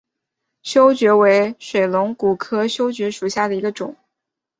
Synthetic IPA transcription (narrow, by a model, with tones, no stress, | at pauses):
ɕjo˥ʊt͡ɕɥɛ˧˥we˧˥ɪʂwe˨˩ɪlʊ˧˥ŋku˨˩kʰɤ˥ɕjo˥ʊt͡ɕɥɛ˧˥ʂu˨˩ɕja˥˩d̪ə˩i˧˥ɡə˧ʈ͡ʂʊ̰˨˩˦ŋ